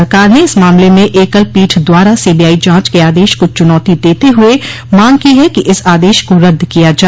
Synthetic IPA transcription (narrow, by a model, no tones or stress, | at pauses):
ɾkaːɾneɪsmaːmlemẽʔeːkəlpiːʈʰd̪waːɾasiːbijaːid͡ʒãːt͡ʃkeaːd̪eːʃkot͡ʃʊnɔːt̪id̪eːt̪eɦʊe | maːŋkiɦɛkiʔɪsaːd̪eːʃkoɾɐd̪ʱːkijad͡ʒaː